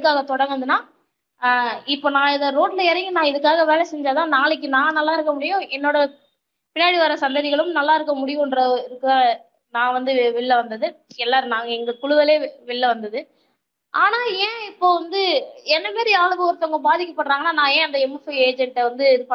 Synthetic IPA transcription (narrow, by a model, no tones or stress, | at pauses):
kːaːɣɐt̪ɔɽɐŋɡɯnd̪ɯnaː | ɪpːoːnãːɪðɐɾoːʈlɐɪɾɐŋɡɯnãːɪðɯkːaːɣɐʋeːɭɐsɛɲd͡ʒaːðãːnaːɭɪk̬ːɯnãːnɐlːaːɪɾɯkːɐmʊɽɪjõɛnːoːɽɐ | pɪnːaːɽɪʋaːɾɐsɐnd̪ɐðɪɣɐɭɯmnɐlːaːɪɾɯkːɐmʊɽɪjʊ̃nɾɐɪɾɯkːɯa | nãːʋɐnd̪ɯʋɪɭːɐʋɐnd̪ɐðɯɛlːaːɾɯnaːŋɡɐɛŋɡɐkʊɭʊʋɐleːʋɪɭːɐʋɐnd̪ɐðɯ | ʔaːnaːẽːɪpːoːʋɐnd̪ɯɛnːɐmeːɾiaːɭɯʋɯɔɾɯt̪ːɔŋɡɐbaːðɪkːɐpːɐʈːɾaːŋɡɐnːaːnãːẽːɐnd̪ɐɛmːfieːd͡ʒɛɳʈʋɐnd̪ɯɪðɯpː